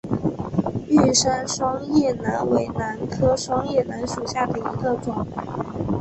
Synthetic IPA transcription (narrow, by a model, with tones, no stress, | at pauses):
y˥˩ʂa˥nʂwɑ˥ŋjɛ˥˩na˧˥nwe˧˥ɪna˧˥nkʰɤ˥ʂwɑ˥ŋjɛ˥˩na˧˥nʂu˨˩ɕja˥˩d̪ə˩i˧˥ɡə˧ʈ͡ʂʊ˨˩˦ŋ